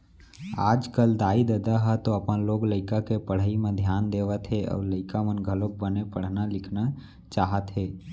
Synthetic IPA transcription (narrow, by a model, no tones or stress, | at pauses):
aːd͡ʒkəld̪aːid̪əd̪aɦɛt̪oəpənloːɡləɪkakepəɽ̤aimẽd̪ʱjaːnd̪eːʋət̪ɦeɔ̰ːɾləɪkamənɡʱəlok̚bənepəɽ̤nalɪkʰna | t͡ʃaːɦət̪ɦɛː